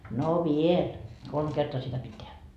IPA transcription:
no ʋiel kolm kertoɑ sitæ pit tehæ

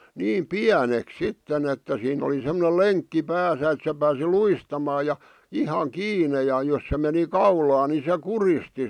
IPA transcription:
niːm piæneks sitːen etːæ siːnˑ oli semŏne leŋkːi pæːsæ et se pæːsi luistɑmɑː jɑ ihɑŋ kiːne jɑ jos se meni kɑulɑː ni se kuristi

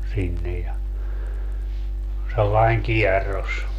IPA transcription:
sinːej jɑ selːɑiŋ kiɛrːos

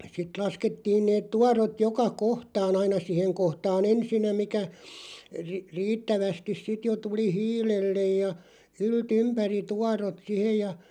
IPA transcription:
sit lɑsketːiːn neːt tuɑrot jokɑ kohtɑːn ɑinɑ siheŋ kohtɑːn ensinːæ mikæ ri riːtːæʋæstis sit jo tuli hiːlelːej jɑ ylt ympæri tuɑrot sihej jɑ

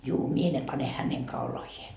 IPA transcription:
juː mie ne pɑne hæneŋ kɑulɑhie

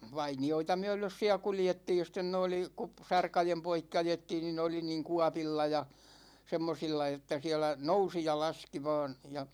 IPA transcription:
ʋɑinioitɑ myø̞løs siæ kuljetːiːj jɑ sten ne oli kup sɑrkɑjem poikːi ɑjetːiːn ni ne oli niːŋ kuɑpilːɑ jɑ semːosilːɑ etːæ siɛlæ nousi jɑ lɑski ʋɑːn jɑ

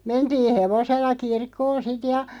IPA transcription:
mentiː heʋoselːɑ kirkːoːn̞ sit jɑ

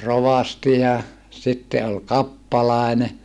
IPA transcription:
roʋɑsti jɑ sitːe ol kɑpːɑlɑˑene

